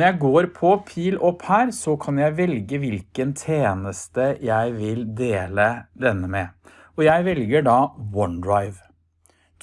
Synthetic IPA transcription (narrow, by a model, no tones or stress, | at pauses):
əjæɪɡoːɾpʰɔpʰiːlɔpːhæːɾsɔkʰɑnjæɪʋɛlɡəʋɪlkənt̪ʰeːnəst̪əjæɪʋɪld̪eːləd̪ɛnːəmɛ | ɔjæɪʋɛlɡəɖɑːwɔnd̪ɹɑɪʋ